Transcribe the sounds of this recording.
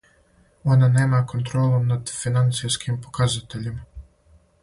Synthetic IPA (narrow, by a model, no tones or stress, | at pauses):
o̞naneːmakont̪ɾolˠomnad̪finant̪sijskʰimpokazat̪eʎim